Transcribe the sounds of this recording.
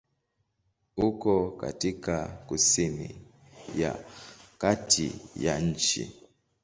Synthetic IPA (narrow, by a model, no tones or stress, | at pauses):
ukɔka̰tikakusimḭ | ja̰katʰḭjan̩t͡ʃḭ